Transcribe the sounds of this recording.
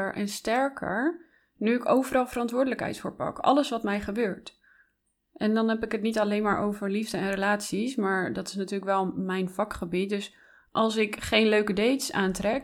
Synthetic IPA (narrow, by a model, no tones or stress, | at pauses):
əɹʔɛ̰nstɛɹkʰə̰ɹ | nyɪkowvəɾɑlˠvərɑntʋʊːɹdələkɦɛ̰jtfʊːɹpɑ̰kɑ̰ləsʋɑtmɛjχəbøːɹt | ʔɛndɑnɦɛpɪkɦətnitɑlejnmaːɹʔowvəɹlivdəɛnrəlaːtsismaːɹdɑtɪ̥snatyːɹləkʋɛlˠmɛjnv̥ɑkχəbit̚dɵs | ʔɑlˠs̬ɪkχejnløɥkədejtsa̰ːntrɛk